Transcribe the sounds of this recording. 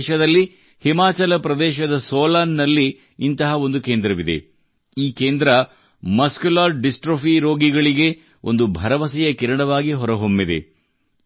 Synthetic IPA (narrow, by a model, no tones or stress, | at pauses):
ʃɐd̪ɐlːi | himaːt͡ʃɐlɐpɾɐd̪ɛːʃɐd̪ɐsoːlaːnːɐlːiː | nt̪ɐɦɐo̞nd̪ukeːnd̪ɾɐʋid̪ḛ | iːkeːnd̪ɾɐ | mɐskulaːɾɖisʈɾofiɾo̞ːɡiɡɐɭiɡe̞ | o̞̰nd̪ubʱɐɾɐʋɐsɛjɐkiɾɐɳɐʋaːɡiɦɔɾɐɦomːid̪e̞̰